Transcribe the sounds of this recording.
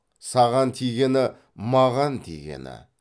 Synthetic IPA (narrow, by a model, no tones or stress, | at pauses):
sɑʁɑnt̪ʰijɡʲe̞nɪ | mɑʁɑnt̪ʰḭɡʲe̞̰nɪ̰